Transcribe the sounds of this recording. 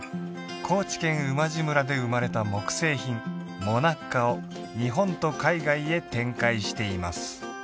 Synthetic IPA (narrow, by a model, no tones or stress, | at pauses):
kʰo̞ːt͡ɕi̥kẽ̞ɰ̃ɯ̟maʑimɯ̟ɾad̪e̞ɯ̟maɾe̞t̪amo̞kɯ̟̥se̞ːçĩm | mo̞nakːao | ɲ̟iɦõ̞nt̪o̞kaiɡaie̞t̪ẽ̞ŋkaiɕi̥t̪e̞imasɨ̥